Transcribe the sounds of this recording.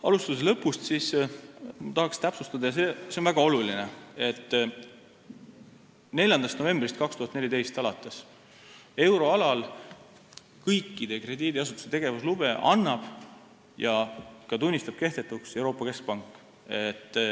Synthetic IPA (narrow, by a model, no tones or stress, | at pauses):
ɑlust̪us̬elɤpːˑust̪sis | mɑt̪ɑɦɑkst̪æpsust̪ɑd̪ɑjɑseːseo̞nvæɡ̥ɑo̞lulinee̞t̪ː | ne̞lʲjɑnd̪ɑst̪nove̞mbrist̪̚kɑkst̪uhɑt̪nelʲit̪e̞jst̪ɑlɑt̪ːˑes | e̞wɾo̞ɑlɑl | kɤjkːid̪̥e̞kre̞d̪̥iːd̪iɑs̬ut̪ːˑu̥set̪e̞ɡ̥e̞vuslub̥e̞ʔɑ̰nːɑb̥ | jɑkɑt̪unʲːist̪ɑb̥̚ke̞hd̪̥e̞t̪ːˑukse̞wɾo̞ːpːˑɑke̞sk̚pɑŋkːˑ | e̞t̪ː